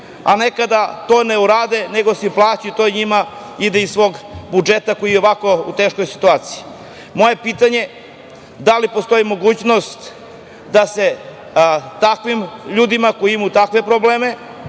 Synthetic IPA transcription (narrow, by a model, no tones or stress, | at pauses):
a̰ne̞kad̪at̪o̞ːneuɾaːd̪e̞neɡo̞seplˠaːt͡ɕit̪o̞ɲima | id̪eisʋo̞ːɡbud͡ʒe̞t̪ako̞jijeo̞ʋako̞ṵt̪e̞ːʃkojsi̥t̪uaːt̪si̥ji | mo̞je̞pit̪aɲe̞ | d̪alipo̞st̪o̞imo̞ɡuːt͡ɕno̞st̪ | d̪ase̞ | t̪akʋimʎuːd̪imakojiimut̪akʋe̞pɾobleːme̞